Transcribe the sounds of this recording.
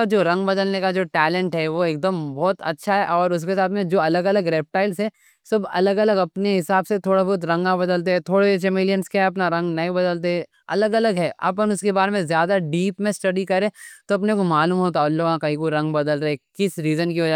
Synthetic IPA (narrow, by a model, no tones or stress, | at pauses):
ad͡ʒoːɾɐ̃ŋɡbɐd̪əlnekad͡ʒoːʈɛːlɛ̃ɳʈɦɛʋoeːk̚d̪əmbɔːt̪ɐ̰tːʃʰaɦɛʔɔːɾʊs̬kesaːt̪ʰmẽd͡ʒoːɐləɡɐləɡɾeːp̚ʈaːɪlsɦɛ | sɐbɐ̰ləɡɐləɡɐpneɦɪsaːbset̪ʰoːɽabɔːt̪̬ɾɐ̃ŋɡãbɐd̪əlt̪̬eɦɛ̃t̪ʰoːɽet͡ʃɛmeːlijə̃nskaɦɐp̬naɾɐ̃ŋɡnɐɦĩbɐd̪əlt̪̬eɦɛ | ɐləɡɐləɡɦɛːʔɐ̰p̬ənʊskebaːɾemẽzjaːd̪aɖiːpmẽsʈɐɖikɐɾẽt̪oɐpnekomaːluːmɦoːt̪aʊlːoãkɐɦĩkoɾɐ̃ŋɡbɐd̪əlɾɐɦekɪsɾiːzənkiʋɐd͡ʒa